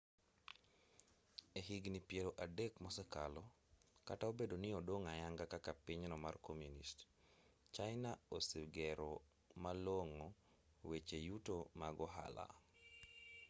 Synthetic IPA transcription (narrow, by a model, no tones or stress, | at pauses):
eɦiɡnipjeloʔadekmɔsɛkalɔ | kataobedonɪɔdoŋajaŋɡakakapiɲnɔmarkomjunḭst | t͡ʃajnaosiɡɛɾɔ | maloŋo | wet͡ʃejutomaɡɔɦa̰la̰